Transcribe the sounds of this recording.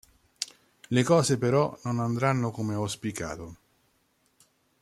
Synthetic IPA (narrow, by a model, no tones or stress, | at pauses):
lekɔːzepeɾɔnonand̪ɾanːokomeospika̰ːt̪o